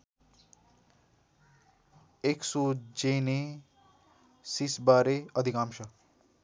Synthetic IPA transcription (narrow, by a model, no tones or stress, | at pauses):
eksud͡zene | sisbaɾeʌd̪ʱikamsʰʌ